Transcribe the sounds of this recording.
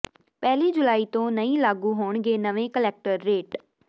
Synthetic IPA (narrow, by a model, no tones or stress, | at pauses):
pɛːliːd͡ʒʊlaːiːt̪õːnəĩːlaːɡuːɦoːɳɡeːnəʋẽːkəlɛːk̚ʈəɾːeːʈ